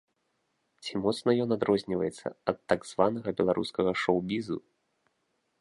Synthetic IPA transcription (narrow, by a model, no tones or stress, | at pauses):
t͡sʲimɔt̪snɐjɔnad̪ɾɔzʲnʲivɐjɛt̪sːɐ̰ɐt̪ːaɡz̥vanɐɣɐbʲɛlˠaɾʔṵskɐɣɐʂɔwbʲizṵ